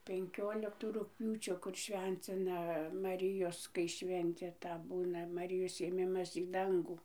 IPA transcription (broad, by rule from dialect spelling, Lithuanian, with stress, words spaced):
pʲɛŋʲˈkʲoːlʲɪktuː rʊkˈpʲjuːt͡ʃʲoː ˈkʊr ˈʃʲʋʲɛnʲt͡sʲɪnɐ mɐˈrʲɪjoːs kɐɪ ˈʃʲʋʲɛnʲtʲeː ˈtɐ ˈbuːnɐ mɐˈrʲɪjoːs eːˈmʲɪmɐs iː ˈdɐŋɡuː